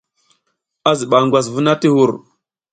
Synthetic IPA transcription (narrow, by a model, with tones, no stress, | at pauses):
a˦zi˨ɓa˨ŋɡʷwa˨s̬vu˦na˦ti˦hu˦˨ɾ